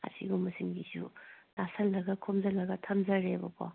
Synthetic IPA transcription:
a̰sʰiɡumɐsiŋɡizṵtasʰɐlːɐɡɐkʰomzɐlːɐɡɐtʰɐmzɐɾebɐpʰɔ

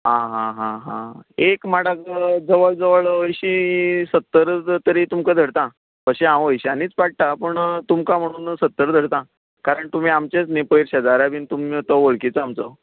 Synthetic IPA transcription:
ɦãɦãɦãɦã̰ekmaɽat͡sd͡zəʋəɭd͡zəʋəɭʋəjɕisət̪ːəɾt̪əɾit̪umkəd̪ʱəɽt̪ã | pəɕeãʋəjɕaniːt͡spaɽ̚ʈ̪apəɳt̪umkam̤əɽ̃uːnsət̪ːəɾd̪ʱəɽt̪ã | kaɾəɳt̪um̤iːamt͡ɕet͡snepəjɾɕad͡zaɾabiːnt̪umt̪ɔʋəɭkit͡səamt͡sɔ

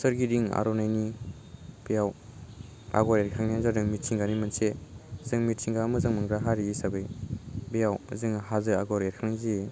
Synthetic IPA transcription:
sɐɾɡidiŋa̰ɾonajni | pejaw | a̰ɡɔɾeɾkʰaŋnzadɯŋmitsʰiŋɡanimɐnsezɯŋmitsʰiŋɡamɯzɯŋmɯŋɡɾaɦaɾiːsabɯjbejawzɯŋɦazɯaɡɔɾeɾ̚kʰaŋnaŋzi

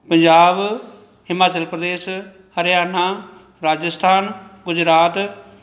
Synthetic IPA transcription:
pə̃ɲd͡ʒaːb | ɦɪmaːt͡ʃəlpɾəd̪eːs | həɾjaːna | ɾaːd͡ʒəst̪ʰaːnɡʊd͡ʒɾaːt̪

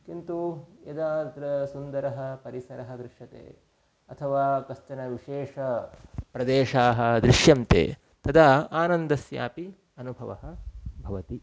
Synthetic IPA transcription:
kint̪ujɐd̪aːt̪ɾɐsund̪ɐɾɐɦɐpɐɾisɐɾɐɦɐd̪ɾɪʂɐt̪ḛː | ɐt̪ʰɐʋaːkɐst̪ɐnɐʋiʃeːʂɐpɾɐd̪eːʂaːɦɐd̪ɾɪʃjɐmt̪ḛː | t̪ɐd̪aaːnɐnd̪ɐsja̰ːpi | ɐnubʱɐʋɐ̰ɦɐ̆bʱɐʋɐt̪i

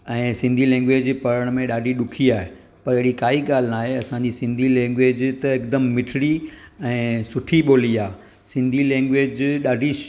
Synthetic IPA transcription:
ɛ̃ːsɪ̃nd̪ʱilɛ̃ːŋɡʋeːd͡ʑpɐɾəɽ̃mẽɗaːɖʱiɗʊkʰiaːɦe | pɐɾɪɦɪɽikaːiɠaːl̤naːɦeɐsãɲd͡ʑisɪ̃nd̪ʱilɛ̃ːŋɡʋeːd͡ʑt̪ɐɪkd̪əmːɪʈʰɪɽiɛ̃ːsʊʈʰiɓoːliaː | sɪ̃nd̪ʱilɛ̃ːŋɡʋeːd͡ʑɗaːɖʱi

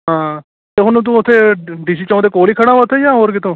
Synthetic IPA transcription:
ɦãː | t̪eɦʊnːt̪̬ũʊt̪ʰːeːɖiːs̬iːt͡ʃːd̪eːkoːliːkʰəɽãːʋət̪ʰːejãːɦoːɾkɪt̪õː

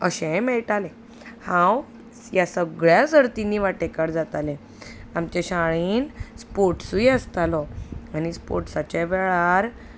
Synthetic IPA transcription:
əɕɛ̃mɛɭʈalẽ | hãw | jasəɡɭjad͡zəɾt̪iniːʋaʈekaɽd͡zat̪alẽ | amt͡ɕeɕaɭiːnspoɾʈsujəst̪alɔañispo̰ɾʈsat͡ɕɛʋɛɭaɾ

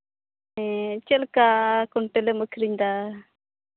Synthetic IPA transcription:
et͡ʃelkakuɳʈelemokʰɾiɲd̪a

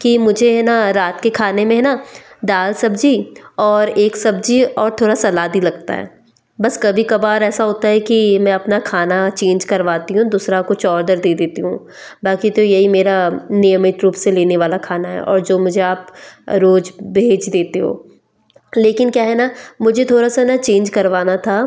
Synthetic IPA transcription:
kimʊd͡ʒʱeɦɛnaɾaːt̪kekʰaːnemẽɦɛnad̪aːlsɐbd͡ʒiɔːɾeːksɐbd͡ʒiɔːɾt̪ʰoːɽasɐlaːd̪ilɐɡ̚t̪a̰ɦɛ̰ː | bɐskɐbʱikɐbaːɾɛːsaɦoːt̪aɦɛkimɛ̃ɐpnakʰaːnat͡ʃẽːnd͡ʒkɐɾʋaːt̪iɦũd̪uːsɾakʊt͡ʃɔːɾd̪əɾd̪eːd̪eːt̪iɦũ | baːkit̪ojɐɦimeːɾanijəmɪt̪ɾuːpseleːneʋaːlakʰaːnaɦɛ̰ʔɔ̰ːɾd͡ʒoːmʊd͡ʒʱeaːpɾoːd͡ʒbʱeːd͡ʒd̪eːt̪eɦo̰ː | leːkɪnkjaːɦɛnamʊd͡ʒʱet̪ʰoːɾasanat͡ʃẽːnd͡ʒkɐɾʋaːnat̪ʰa

